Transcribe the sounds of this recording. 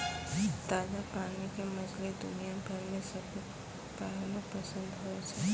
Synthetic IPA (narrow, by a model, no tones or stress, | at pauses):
t̪aːzakaːnikemɐzled̪ʊnijabʱɐɾmẽsɐbk | pɛɦlopəsə̃nd̪ɦoet͡ʃʰɛ